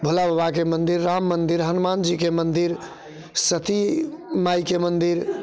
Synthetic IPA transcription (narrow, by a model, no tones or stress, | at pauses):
bʱulabəbakemənd̪iɾːamːənd̪iɾɦənmand͡ʒikemənd̪iɾ | sət̪ʰimajkemənd̪iɾ